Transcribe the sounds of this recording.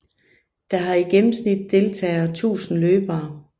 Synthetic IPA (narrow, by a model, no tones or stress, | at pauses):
d̥ɑ̈ɦɑ̈iɡ̥emm̩snid̥̚ːe̝lt͡sʰɛ̰ːðt͡sʰṵːsn̩løːb̥ɐː